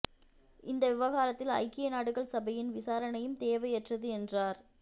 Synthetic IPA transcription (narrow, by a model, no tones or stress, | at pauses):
ɪnd̪ɐʋɪʋɐɣaːɾɐt̪ːɪlɐ̰ɪkːɪjɐnaːɽɯɣɐɭsɐbɐjɪnʋɪsaːɾɐnɐjɯmt̪eːʋɐjɛʈrɐðɯɛndraːɾ